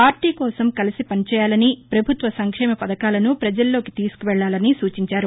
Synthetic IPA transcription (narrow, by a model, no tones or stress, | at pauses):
paːɾʈiːkɔːsɐmkɐlisipɐnit͡ʃɛːjaːlɐnipɾɐbʱut̪ʋɐsɐŋkʂɛːmɐpɐd̪ɐkaːlɐnupɾɐd͡ʒɐlːo̞ːki̥t̪iːsu̥kuʋɛɭːaːlɐnisuːt͡ʃiɲt͡ʃaːɾu